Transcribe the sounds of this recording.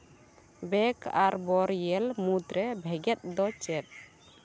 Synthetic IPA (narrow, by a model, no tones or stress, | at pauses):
bɛkʰa̰ɾbɔɾjɛlmut̪ɾɛbʱɛɡɛt̪̚d̪ɔt͡ʃɛt̪̚